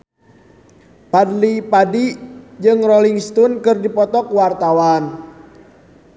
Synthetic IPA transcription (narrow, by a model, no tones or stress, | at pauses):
padlipadid͡ʒɨŋrɔliŋst̪unkɨrdipɔt̪ɔkwart̪awan